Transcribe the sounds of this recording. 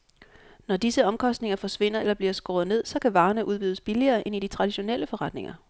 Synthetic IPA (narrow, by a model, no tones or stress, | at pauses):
nɒd̥isəɒ̽mkʰɒ̽sd̥ne̝ŋɐfɒ̽sʋe̝n̰ɐelɐb̥liɐsɡ̥ɔ̰ːðˠne̝ð̞̰ˠsɒ̽kʰæʋɑ̈ːnəʔuð̞ˠʋyːðˠəsb̥iliɐːʔe̝nid̥it͡sʰʁɑ̈d̥iɕo̝neləfɒ̽ʁɑ̈d̥ne̝ŋʔɐ